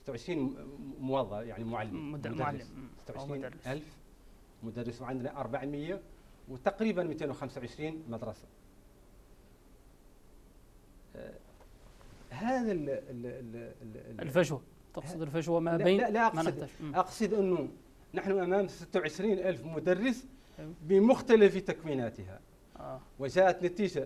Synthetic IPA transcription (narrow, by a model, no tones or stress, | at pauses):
sə̥t̪ːawʕəʃɾiːnmwɑðˤːɑjaʕnimʊʕalːəmmʊrːəssə̥t̪ːawʕəʃɾiːnʔælf | mʊd̪ærˤːəswʕand̪naʔɑɾˤbaʕməjːawt̪ɑqɾibænmit̪enwxæmsawʕəʃɾiːnmæd̪ɾˤɑsḁ | ɦæd̪il | lfæʒwa | t̪ɑqsˤd̪əlfæʒwamælilæʔɑqsʔɑqsˤəd̪ʔənːu | nəħnuʔæmæmsət̪ːawʕəʃɾinʔælfmʊd̪ærˤːəs | bəmʊxt̪æləfit̪ækwinæt̪əɦæ̰ | wəʒæʔæt̪næt̪iʒa